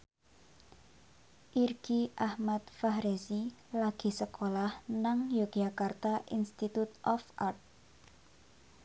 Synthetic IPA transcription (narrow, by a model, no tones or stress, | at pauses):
ʔirɡ̥iʔahmat̪̚fahɾesilaɡ̥i̤səkolahnaŋjoɡ̥akart̪aʔinst̪it̪ut̪̚ɔfart̪̚